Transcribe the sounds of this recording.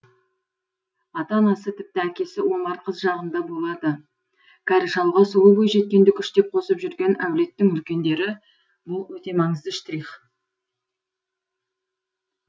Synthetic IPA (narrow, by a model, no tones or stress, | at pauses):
ɑt̪ɑnɑsət̪ʰɪp̚t̪ɪækʲe̞sɪwo̞mɑɾqʰəzʒɑʁənd̪ɑbo̞lˠɑd̪ə | kʲʰɑɾɪʃɑlˠʁɑsuwˠəbo̞jʒe̞t̪̚kʲe̞nd̪ɪkʲʰʏʃt̪e̞p̚qʰo̞səpʒʏɾɡʲe̞næwle̞t̪ːɪŋʏlkʲe̞nd̪e̞ɾɪ | bʊlˠwɵt̪e̞mɑɴəzd̪əɪʃt̪ɾiχ